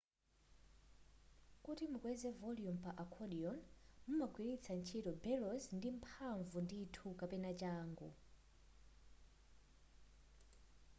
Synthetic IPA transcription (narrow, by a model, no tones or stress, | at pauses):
kutimukwɛzɛvɔlijumpaʔakʰɔɗiɔnmumaɡwiɾit͡sʰant͡ʃʰitɔbɛlɔzndim̩pʰaɱvunditʰukapɛnat͡ʃaːŋɡṵ